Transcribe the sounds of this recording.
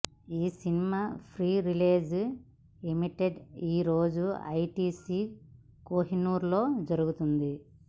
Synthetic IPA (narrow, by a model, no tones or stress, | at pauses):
iːsinimaːpʰɾiːɾileːd͡ʒ | imiʈeɖiːɾoːd͡ʒuɐ̰jʈiːsiː | koːɦinuːɾlo̞ːd͡ʒɐɾuɡut̪und̪i